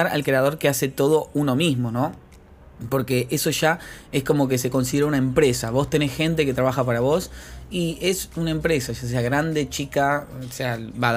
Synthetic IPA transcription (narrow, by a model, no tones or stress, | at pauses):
aɾa̰lkɾe̞að̞o̞ɾkease̞t̪o̞ð̞o̞uno̞mizmo̞no̞ | po̞ɾke̞ʔeso̞ʒaesko̞mo̞k̬es̬e̞ko̞ns̬iðeɾaunaempɾesaβo̞st̪e̞nesxe̞nt̪̬e̞ke̞t̪ɾaβaxapaɾaβo̞siesunaempɾesaʃas̬eaɣɾand̪e̞t͡ʃikaseaβa